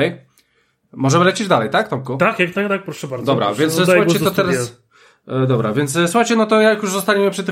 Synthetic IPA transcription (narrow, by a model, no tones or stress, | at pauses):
ɛj | mɔʐɛmɘlɛt͡ɕid͡ʑd̪alɛjt̪akt̪ɔmkut̪akjakt̪at̪ak̚pɾɔʂɛbaɾd̪ɔbɾa̰vʲjɛnt̪ssuxajɡt͡ɕɛt̪ɔt̪ɛɾas | d̪ɔbɾa̰vʲjɛnt̪sswuxajt͡ɕɛnɔt̪ɔjakjuʐzɔst̪aɲemɘpʂɨt̪̬ːɪ